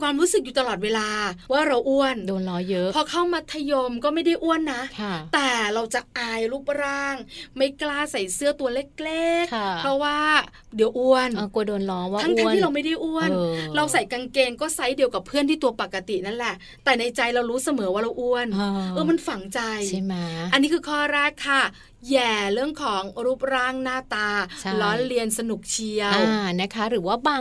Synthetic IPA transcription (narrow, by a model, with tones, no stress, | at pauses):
kʰwaː˧mɾuː˦˥sɯ˨˩k̚juː˨˩t̪a˧lɔː˨˩t̪̚weː˧laː˧waː˥˩ɾa˧wʔu˧˥˩əndoː˧nlɔː˦˥jpʰɔː˧kʰa˥˩wmaː˧t̪ʰa˧jo˧mkɔː˥˩ma˥˩jda˥˩jʔu˥˩ənːa˦˥kʰt̪ɛː˨˩ɾa˧wt͡ɕa˨˩ʔaː˧jɾuː˥˩p̚ɾaː˥˩ŋma˥˩jklaː˥˩sa˨˩jsɯ˥˩ət̪u˧ɐle˦˥˩k̚le˥˩k̚pʰɔ˦˥waː˥˩ | di˨˩˦wʔu˧ən˧u˧doː˧nlɔː˦˥w̪ːʰa˦˥ŋt̪a˧˦˥iː˥ɾa˧ma˥˩jda˥˩jʔu˥˩ənɾa˧wsa˨˩jka˧ŋkeː˧ŋkɔː˥˩sa˦˥jdi˧əwka˨˩pʰːɯ˥˩˨nt̪ʰiː˥˩t̪u˧ɐpa˨˩kːa˧t̪i˨˩na˦˥nlɛ˨˩ʔ | t̪ɛː˨˩na˧jt͡ɕa˧jɾa˧wɾuː˦˥sa˧mɤː˩˦waː˥˩ɾa˧wʔu˧ən˧ʔɤː˧˩ma˧nfa˨˩ŋt͡ɕa˧ja˥˩ma˦˥ʔa˧nːiː˦˥kʰɯː˧kʰɔː˥˩ɾɛː˦˥˩kʰːa˥˩ | jɛː˨˩ɾɯ˥˩əŋkʰɔː˩˦ŋɾu˦˥˩p̚ɾaː˦˥˩ŋnaː˥˩t̪aː˧˥lɔː˦˥nɾi˧ənsa˧nu˨˩k̚t͡ɕʰi˧əwaː˧˩na˦˥kʰa˦˥ɾɯː˩˦waː˥˩baː˧